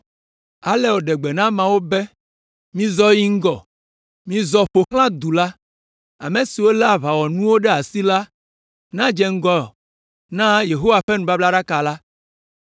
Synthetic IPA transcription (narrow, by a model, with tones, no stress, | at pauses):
a˨lɛ˦wo˨ɖɛ˨ɡ͡bɛ˨nã˦mã˨wo˦bɛ˦ | mĩ˦zɔ˦ji˦ŋ̩˦ɡɔ˨ | mĩ˦zɔ˨ɸo˨xl̃ã˦d̪u˨la˦ | a̰˨mẽ˨si˨wo˦lɛ˦a˨βa˨wɔ˨nũ˦wo˦ɖɛ˦a˨si˦la˦ | nã˦d͡ʒɛ˦ŋ̩˦ɡɔ˨ | nã˦je˨ɦo˦wa˨ɸɛ˦nũ˨ba˦bla˦ɖa˦ka˨la˦